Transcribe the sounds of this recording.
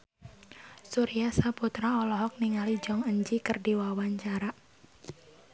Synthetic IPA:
suɾiasaput̪ɾaɔlɔɦɔk̚niŋalid͡ʒɔŋəɲd͡ʒikɨrdiwawaɲt͡ʃaɾa

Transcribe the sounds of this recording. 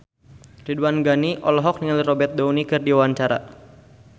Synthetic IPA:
riduanɡaniʔɔlɔɦɔk̚niŋalirɔbɛrt̪̚daunikɨrdiwawaɲt͡ʃaɾa̰

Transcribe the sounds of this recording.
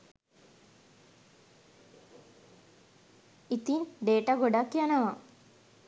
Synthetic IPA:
it̪inɖeːʈəɡoɖakːjanəʋa

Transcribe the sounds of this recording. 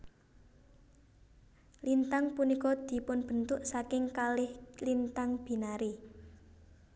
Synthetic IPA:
lint̪aŋpunikɔd̪̥i̤pʊnb̥ə̤nt̪ʊʔsakɪŋkalɪhlint̪aŋb̥i̤naɾi

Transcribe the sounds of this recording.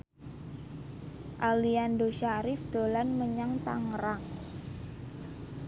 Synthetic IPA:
ʔaliandoʃaɾɪfd̪̥o̤lanməɲaŋt̪a̰ŋɾaŋ

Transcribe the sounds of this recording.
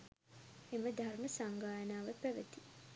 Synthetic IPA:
eməd̪ʱarməsaŋɡaːjənaːʋəpæʋət̪i

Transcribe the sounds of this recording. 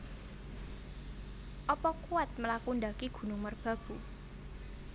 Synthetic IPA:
ʔɔpɔkuat̪̚məlakund̪akiɡ̥ṳnʊŋmərb̥a̤b̥ṳ

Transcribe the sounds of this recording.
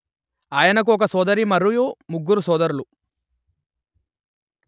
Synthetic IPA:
aːjɐnɐk̬uɔk̬ɐsɔːd̪ɐɾimɐɾujumuɡːuɾusɔːd̪ɐɾulu

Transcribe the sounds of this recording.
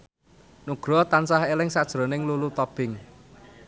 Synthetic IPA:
nuɡ̥ɾɔt̪ansahelɪŋsad̥ʒ̥ɾɔ̤nɪŋlulut̪ɔb̥ɪŋ

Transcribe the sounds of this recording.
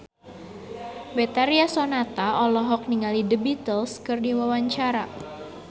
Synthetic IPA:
bɛt̪aɾiasɔnat̪aʔɔlɔɦɔk̚niŋalidəbit̪əlskɨrdiwawaɲt͡ʃaɾa

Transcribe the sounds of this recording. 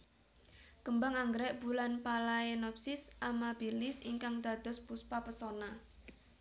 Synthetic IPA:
kəmbaŋaŋɡəɾɛʔb̥ulanpalaenɔpsɪsʔamabilɪsḭŋkaŋd̪̥a̤d̪̥ɔ̤spuspapəsɔna

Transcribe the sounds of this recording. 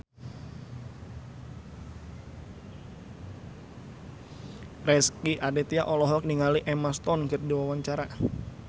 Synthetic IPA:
rɛskiʔadɛt̪iaʔɔlɔɦɔk̚niŋaliʔɛmast̪ɔnkɨrdiwawaɲt͡ʃaɾa

